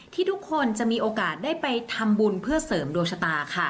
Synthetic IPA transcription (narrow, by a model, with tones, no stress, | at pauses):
t̪ʰiː˥˩t̪ʰu˦˥kʰːo˧nt͡ɕa˨˩ʔmiː˧ʔoː˧kaː˨˩t̪̚daː˥˩jpa˧jt̪ʰa˧mbu˧npʰɯ˥˩ɐsɤː˩˦mdoː˧jsʰa˧t̪aː˧kʰa˥˩